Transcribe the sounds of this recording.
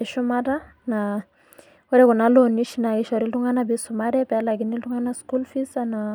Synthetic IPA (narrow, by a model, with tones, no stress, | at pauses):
eʃu˦mata | na | wo˦ɾɛ˦ku˨na˦loni˦ʃina˨i˦ʃɔ˨ɾi˦ltu˦ŋa˦na˦bi˦suma˦ɾɛpɛ˨˦laɡi˨ni˦ltu˦ŋa˦nasku˦lfi˦sana